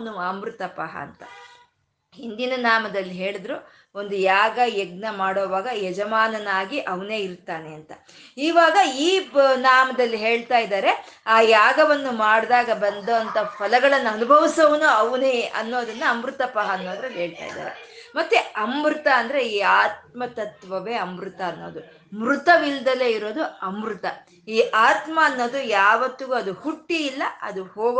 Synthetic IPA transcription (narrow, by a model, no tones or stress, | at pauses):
nuɐmɾut̪ɐpɐ̰ɦɐ̰ːnt̪ɐ | ɦind̪inɐnaːmɐd̪ɐlːiɦe̞ːɭid̪ɾu | o̞nd̪ujaːɡɐjɛɡ̚nɐmaːɽoːʋaːɡɐjɛd͡ʒɐmaːnɐnaːɡiʔɐʋɐne̞ːiɾt̪ːaːneɐnt̪ɐ | iːʋaːɡɐiːnaːmɐd̪ɐlːiɦe̞ːɭt̪aːjd̪aːɾe̞aːjaːɡɐʋɐnːumaːɽd̪aːɡɐbɐnd̪ɐɐnt̪ɐpʰɐlɐɡɐɭɐnːuɐnubʱɐʋisɐʋɐnuɐʋuneɐ̰nːo̞ːd̪ɐnːɐːmɾut̪ɐpɐɦɐːnːoːd̪ɾeɦe̞ːɭt̪a̰ːjd̪a̰ːɾḛmɐt̪ːeɐmːɾut̪ɐːnd̪ɐɾe̞iːaːt̪̚mɐt̪ɐt̪ʋɐʋe̞ːɐmɾut̪ɐːnːo̞ːd̪u | mɾut̪ɐʋild̪ɐle̞ːiɾo̞ːd̪uɐmɾut̪ɐ | iːʔaːt̪mɐːnːo̞ːd̪ujaːʋɐt̪ːiɡuɐd̪uhuʈːiːlːɐɐ̰d̪uhoːɡ